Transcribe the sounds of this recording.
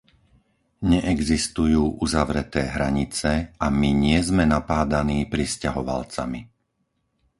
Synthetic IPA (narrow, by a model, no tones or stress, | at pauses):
ɲɛʔɛɡzist̪ujuːʔuzaʋɾɛt̪ɛːɦɾaɲit͡sɛamiɲɪɛzmɛnapaːd̪aniːpɾiscaɦɔʋa̰lt͡sami